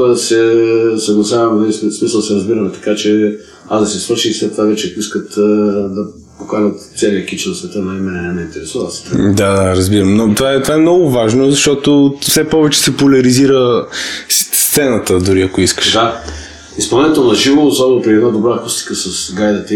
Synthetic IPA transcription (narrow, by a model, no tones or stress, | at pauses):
sɛsɐɡlˠɐzavɛmd̪ismisəlˠsɛɾɐzbiɾəmɛt̪ɐ̥kat͡ʃɛ | azd̪ɐsɛsvəɾʃislɛt̪ːovavɛt͡ʃɛɐkʊiskət̪d̪ɐ | pokaʒət̪t̪sɛliəkit͡ʃnɐsvɛt̪ənɐimɛnɛnɛnɛint̪ɛɾɛsuvəsɛ̥t̪ɾd̪ad̪aɾɐzbiɾəmnot̪vaɛt̪ovaɛmnɔɡʊvaʒnozɐʃt̪ɔt̪ofsɛpɔvɛt͡ʃɛ̥sɛpolʲɐɾiziɾəsst̪sɛnət̪əd̪ʊɾiɐkoiskə̥ʃa | ispɐlˠnʲit̪ɛlˠnɐʒivoːsɔbɛnʊpɾiɛd̪nad̪obɾakust̪i̥kəsɐsɡajd̪ət̪ə